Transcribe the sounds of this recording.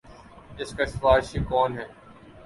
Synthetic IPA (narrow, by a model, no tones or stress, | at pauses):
ɪskasfaːɪʃiːkɔːnɦɛː